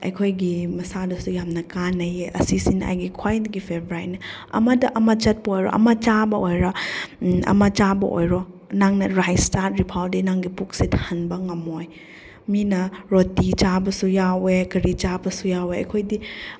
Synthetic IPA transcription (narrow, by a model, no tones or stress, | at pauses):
ɐ̰jkʰojɡimɐsadɐsujamnɐkanɐjeʔɐsisina̰jɡikʰwajdɐɡipʰebʱɾajt̚nɐɐ̰mɐdɐʔɐmɐt͡ʃɐt̚bɐojɾo̰ʔɐ̰mɐt͡ʃabɐojɾɐ | ɐ̰mɐt͡ʃabɐ̰ʔo̰jɾo | naŋnɐɾajstaɾt̚ɾipʰawdinaŋɡipuk̚sitʰhɐnbɐŋɐmoj | minɐɾotit͡ʃabɐsujawekɐɾit͡ʃabɐsujaweɐ̰jkʰojdi